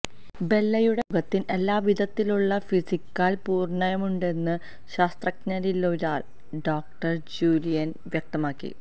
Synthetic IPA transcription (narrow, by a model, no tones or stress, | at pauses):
be̞lːɐjuɽeɡɐt̪ːine̞lːaːʋid̪ɐt̪ːiluɭːɐfisikːaːlpuːrɳɐjɐmuɳɖe̞nːɨ | ɕaːst̪rɐknɐɾiloɾaːl | ɖoːk̚ʈɐrd͡ʑuːlijɐn | ʋjɐk̚t̪ɐmaːkːḭ